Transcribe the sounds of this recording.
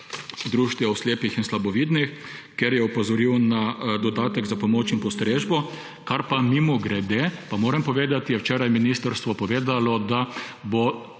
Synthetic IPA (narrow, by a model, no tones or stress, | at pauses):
d̪ɾuːʃt̪jɛɔsleːpixinslabɔʋiːd̪nixkɛɾjɛupɔzɔɾiwnad̪ɔd̪aːt̪ɛɡzapɔmoːt͡ʃinpɔst̪ɾeːʒbɔ | kaɾpamimuɡɾɛd̪epamoːɾɛmpɔʋeːd̪at̪ijɛwt͡ʃɛːɾajminist̪əɾst̪ʋɔpɔʋeːd̪alɔd̪abo